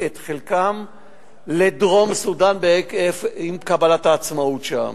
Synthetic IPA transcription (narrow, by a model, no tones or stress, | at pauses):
et̪χelkam | ledʁo̞msudanbeefimkabalataːt͡smautʃa̰m